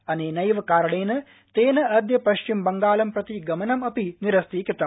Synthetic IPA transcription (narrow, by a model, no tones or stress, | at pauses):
ɐneːnɐjʋɐkaːɾɐɳeːnɨ | t̪eːnɐɐd̪jɐpɐʃt͡ʃimbɐŋɡaːlɐmpɾɐt̪iɡɐmɐnɐmɐpiniɾɐst̪ikɾɨt̪ːɐm